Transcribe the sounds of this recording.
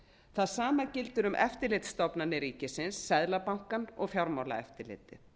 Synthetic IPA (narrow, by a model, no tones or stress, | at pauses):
θaðsaːmacɪlt̪ʏɾʏmʔɛ̰ft̪ɪlɪt̪st̪ɔpnanːɪɾiːcɪsɪnsːɛðlapawŋ̥kanɔɣfjawɾmawla̰ɛ̰ft̪ɪlɪ̰ːt̪ɪ